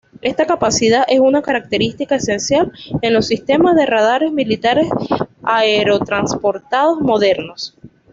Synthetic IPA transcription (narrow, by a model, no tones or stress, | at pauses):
e̞st̪akapasiðaʔe̞sunakaɾak̚t̪e̞ɾist̪ikae̞se̞nsjale̞nlo̞sːist̪e̞mazðe̞rað̞aɾe̞zmilit̪aɾe̞saeɾo̞t̪ɾanspo̞ɾt̪að̞o̞zmo̞ðe̞ɾno̞s